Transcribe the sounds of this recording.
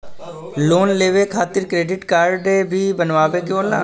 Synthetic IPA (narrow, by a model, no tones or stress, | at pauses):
loːnleːʋekʰaːt̪ɪɾkɾeːɖɪʈkaːɾɖebʱiːbənʋaːʋekjõːlaː